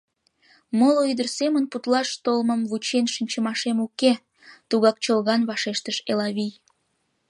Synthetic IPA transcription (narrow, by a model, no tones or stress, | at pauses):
moloid̪ərsemənput̪lɑʃt̪olməmβut͡ɕenʃinʲt͡ɕəmɑʃemuke | t̪uɣɑk̚t͡ɕolɣɑnβɑʃeʃt̪əʃelɑβij